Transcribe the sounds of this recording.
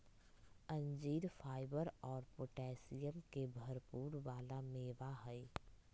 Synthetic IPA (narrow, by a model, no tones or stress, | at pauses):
ɐ̃ɲd͡ʒiːɾfʰaːɪbəɾɔːɾpoʈɛːsijəmkebʱɐɾpuːɾʋaːlameːʋaɦɛ